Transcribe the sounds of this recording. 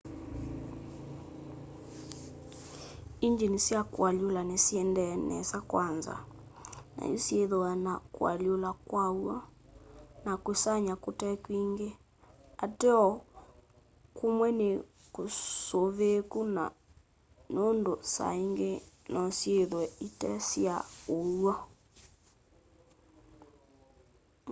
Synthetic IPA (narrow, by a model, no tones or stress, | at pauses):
iɲd͡ʒenesjakwalolanesjɛndɛnɛ̰sakwanza̰ | na̰josjeðoanakwa̰ljolakwawa | nakwesaɲakotɛkwiŋɡe | atɛɔ | kumwɛne | kosoβekuna̰ | nondosa̰iŋɡenɔsjeðwɛitɛsjaowa